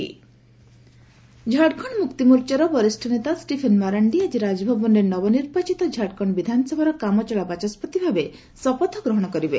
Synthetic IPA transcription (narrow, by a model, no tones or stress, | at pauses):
d͡ʒʱaɽkʰɔɳmukt̪imuɾt͡ʃaɾɔbɔɾisʈʰɔnet̪asʈipʰenmaɾaɳɖiad͡ʒiɾad͡ʒɔbʱɔbɔnɾenɔbɔniɾbat͡ʃit̪ɔd͡ʒʱaɽkʰɔɳ̃bid̪ʱanɔsɔbʱaɾɔkamɔt͡ʃɔɭabat͡ʃɔspɔt̪ibʱabe | sɔpɔt̪ʰːɔɡɾɔɦɔɽ̃ɔkɔɾibe